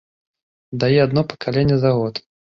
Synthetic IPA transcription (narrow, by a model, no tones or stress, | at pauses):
d̪ajɛad̪nɔpɐ̥kʰalʲenʲːɛzaɣɔt̪